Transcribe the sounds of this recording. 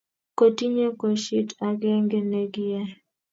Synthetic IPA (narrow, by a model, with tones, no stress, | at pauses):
ko˨ti˦ɲe˦ko˨ʃi˦ta˨ɡɛ˦ŋɡe˦ne˨ɡɪ˦jɛ˦